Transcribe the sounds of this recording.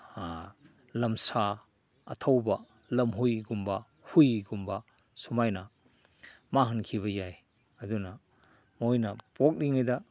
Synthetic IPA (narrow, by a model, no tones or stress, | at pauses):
lɐmsa | ɐtʰɐwbɐ | lɐmɦujɡumbɐ | hujɡumbɐ | sumajnɐ | maɦɐnkʰiβɐjaj | ɐdunɐ | mojnɐpok̚niŋajdɐ